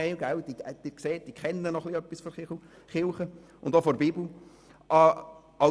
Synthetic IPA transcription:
ɛɪɡawd̥id̥ikseːt̚d̥ikʰχɛnːənɔχliœpːisfoɾɪ | χɪlχə | ʊnd̪ofɔɾbibl̩ | ʔɑ | ɑ

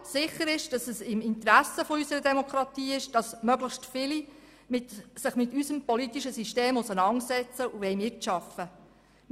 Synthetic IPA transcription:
sɪχəɾɪʃd̥ɑsəsɪmɪnt̪ɾæsəfoysəɾədɛmɔkʰɾɑt̪iːɪʃd̥ɑsmœɡləχstfɪli | mɪtsɪχmɪtysəmpɔlitiʃəsiʃteːmʊsənɑntsɛt͡səʔuʋɛjmɪtʃɑfə

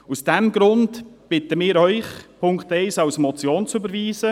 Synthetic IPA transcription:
usd̥ɛmɡɾʊntb̥ɪtəmɪːɾœʏχpʰʊŋktɛɪsɑwsmɔt͡sjoːnt͡sʏbəɾviːzə

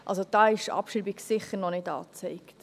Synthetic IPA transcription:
ʔɑ̰ls̬od̥ɑːɪʃɑ̰pʃribiɡsɪχəɾnɔnɪdɑ̰ːt͡seɪkt

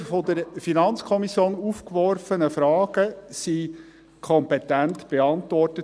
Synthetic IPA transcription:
fod̪əɾfinɑnt͡skʰɔmisjoːnufkʋɔrfənəfɾɑːɡ̥əsi | kʰɔmpɛt̪æntb̥eɑnt̪ʋɔrtə

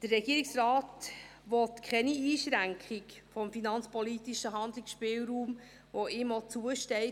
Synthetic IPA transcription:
d̥əɾːɛɡiəɾiksɾɑːtʋɔtkʰχɛniiːʃɾæŋkʰχɪkfɔmfinɑnt͡spɔlit̪iʃəɦɑnd̪lɪksʃpɪːwɾuːm | ʋoɪmɔt͡suəʃtɛɪ

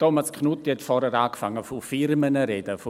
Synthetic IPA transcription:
tɔmaskχnutiɛtfɔɾhɛɾaːkfaŋːəfofɪɾmənəɾedəfo

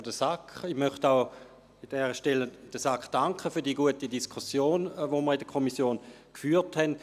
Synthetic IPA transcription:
d̥əsakiχmœχtaʊ | id̥ɛːʁəʃtɛləd̥əsakχd̥aŋkχəfyːɐdiːəɡuətidiskʰusjoːnvoməʁidəkʰɔmisjoːn | kfyːthɛnd

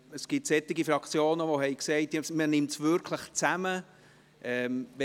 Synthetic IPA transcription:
əsɡ̥ɪtsɛt̪ːɪɡifɾɑkt͡sjoːnəʋohɛɪjksɛɪtesmənɪmtsʋʏɾkʰləχt͡sæmə | ʔɛmvɛ

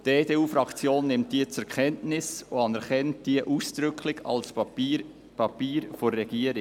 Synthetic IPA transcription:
d̥eːdeːuːfɾɑkt͡sjoːnːɪmt̚d̥iət͡sɛɾkʰɛntnɪsoɑnɛɾχɛnt̚d̥iəʔuːsd̪̥ɾʏkʰlɪɡɑ̰ls | pʰɑpiːɾfoɾːɛɡ̥iəɾɪ

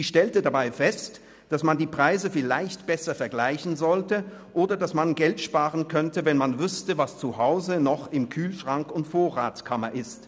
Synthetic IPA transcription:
iːʃtɛltədabaɪfɛst | d̥asmandiːpʁ̥aɪzəfɪla̰ɪçtb̥ɛsɐfɛɐɡlaɪçn̩zɔltə | ʔoːdɐdasmanɡɛltʃpaːʁənkʰœntəvɛnmanvʏstəvast͡suhaʊzənɔχɪmkʰyːlʃʁ̥aŋkʊntfoːɐʁaːt͡skʰamɐʔɪst

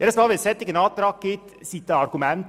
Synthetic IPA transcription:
ɛɾəsmɑʋɪsɛt̪ːɪkːənɑːt̪t̪ɾɑkːɪt̪sit̪ːəɑɾɡʉmɛnt̪

